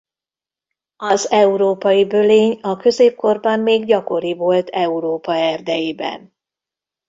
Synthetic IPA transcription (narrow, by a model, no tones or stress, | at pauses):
ɒzɛuɾoːpɒjibø̞leːɲɒkø̞zeːp̚ko̞rbɒmːeːɡɟɒko̞ɾivo̞lt̪ʰɛuɾoːpɒɛrd̪ɛjeːbɛ̰n